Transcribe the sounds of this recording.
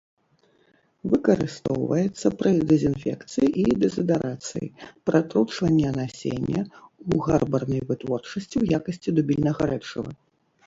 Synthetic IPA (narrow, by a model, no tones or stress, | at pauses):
vɨkɐɾɨst̪ɔwvɐjɛt̪sːɐpɾʔɐd̪ɛzʲinfʲɛ̰kt̪sɨjiʔid̪ɛzɐd̪ɐɾʔat̪sɨ̰jḭpɾʔat̪ɾut͡ʂvɐnʲːɛɐnasʲḛnʲːɐ̰uɣarbɐrnɐjvɨt̪vɔrt͡ʂɐsʲt͡sʲiwjakɐsʲt͡sʲid̪ubʲilʲnɐɣɐɾɛt͡ʂɐ̰vɐ̰